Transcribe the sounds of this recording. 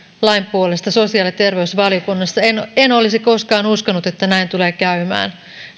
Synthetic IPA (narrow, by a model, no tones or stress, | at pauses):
lɑjmpuole̞st̪ɑso̞siɑːlit̪e̞rʋe̞usʋɑljokunːɑsːɑenenolisiko̞skɑːnuskɑnut̪e̞t̪ːænæint̪ule̞ːkæymæ̰ːn